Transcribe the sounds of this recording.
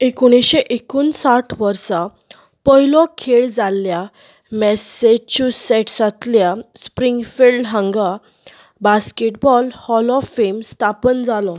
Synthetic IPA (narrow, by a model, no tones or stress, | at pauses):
ekoɽ̃isɕeʔekuːnsaʈʰʋəɾsa | pɔjlɔkʰeɭd͡zalːja | mɛsed͡ʑt͡ɕusɛʈsat̪ljaspɾiŋɡfilɖɦãŋɡa | baskeʈbɔlhɔlɔfemst̪ʰapənd͡zalɔ